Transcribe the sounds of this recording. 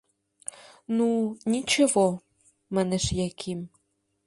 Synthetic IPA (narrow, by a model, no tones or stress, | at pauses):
nunʲit͡ɕĕvo | mɑneʃjɑkʰim